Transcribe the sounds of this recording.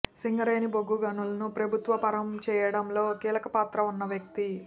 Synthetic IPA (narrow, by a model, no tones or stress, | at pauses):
siŋɡɐɾeːniboɡuɡɐnulɐnupɾɐbʱut̪ʋɐpɐɾɐmt͡ʃɛːjɐɽɐmlo̞ːkiːlɐkɐpaːt̪ɾɐunːɐʋjɐk̚t̪i